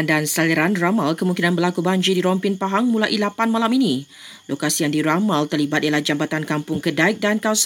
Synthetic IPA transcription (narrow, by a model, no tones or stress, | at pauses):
andansaliɾanramalkəmuŋkinanbərlakubaɲd͡ʒidiɾɔmpɪnpaɦaŋmũlaʔilapanmalaminĩ | lokasijaŋdiɾamalt̪ərlibat̪ʔijalahd͡ʒambat̪ankampʊŋkədaɪk̚dankas